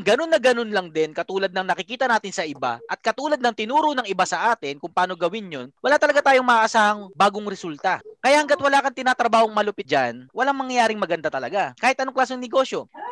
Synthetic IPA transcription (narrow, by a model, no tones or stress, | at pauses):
ŋɡɐno̞nːɐɡɐno̞nlɐŋd̪ɛnkɐt̪uːlɐd̪̚nɐŋnɐkɪkiːt̪ɐnaːt̪ɪnsɐʔɪba̰ʔɐt̪̚kɐt̪uːlɐd̪nɐŋt̪ɪnuːɾonɐŋɪbasɐʔaːt̪ɪnkʊŋpɐaːno̞ɡɐwɪnjonwɐlaːt̪ɐlɐɡat̪aːjoŋmɐʔaʔɐsaːhɐŋbaːɡoŋɾɛsult̪ɐkɐjaʔhɐŋɡat̪̚wɐlaːkɐnt̪ɪnaːt̪ɾɐbaːhoŋmɐlʊpɪt̪̚d͡ʒa̰nwɐlaŋmɐŋjɐjaːɾɪŋmɐɡɐnd̪at̪ɐlɐɡakaːhɪt̪ʔɐnoŋklaːs̬oŋnɛɡo̞ʃjo̞